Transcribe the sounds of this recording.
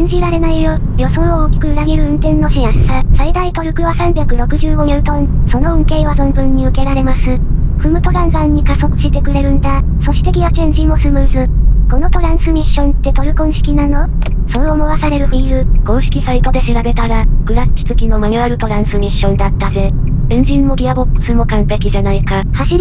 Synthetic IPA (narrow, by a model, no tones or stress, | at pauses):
ẽɲ̟d͡ʑiɾaɾe̞naijo | jo̞sõɰ̃oːkʲi̥kɯɯɾaɡʲiɾɯ̟ɯ̟̃nt̪ẽ̞nːo̞ɕiãsasaid̪ait̪o̞ɾɯ̟kɯ̟βasãmbʲjakɯ̟ɾo̞kɯ̟ʑɨːɡo̞ɡʲet̪õnso̞no̞õŋke̞ːβazõmbɯ̟̃ɲ̟ːiɯ̟ke̞ɾaɾe̞masɨ | ɸɯ̟mɯ̟t̪o̞ɾãɰ̃sãɲ̟ːikaso̞kɯ̥ɕit̪e̞kɯ̟ɾe̞ɾɯ̟nd̪aso̞ɕi̥t̪e̞kʲinat͡ɕẽɲ̟d͡ʑimo̞sɨmɯ̟ːzɨko̞no̞t̪o̞ɾãɰ̃sɨmʲiɕːõ̞nt̪ːe̞t̪o̞ɾɯ̟kõɰ̃ɕi̥kʲinano̞ | so̞omo̞βasaɾe̞ɾɯ̟ɸiɾɯɡ̥õ̞ːɕi̥kʲisait̪o̞d̪e̞ɕiɾabe̞t̪aɾaɡ̥ɯ̟ɾat͡ɕi̥t͡sɨkʲino̞maɲɯ̟aɾɯ̟t̪o̞ɾãɰ̃sɨmʲiɕːõ̞nd̪at̪ːaze̞ẽɲ̟d͡ʑĩmːo̞ɡʲiabo̞kːɯ̟̥sɨmo̞kãmpe̞kʲiʑanaikahaɕi